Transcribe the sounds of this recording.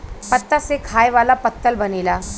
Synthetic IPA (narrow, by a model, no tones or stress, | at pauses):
pət̪ːasekʰaːjʋaːlapət̪ːəlbəneːlaː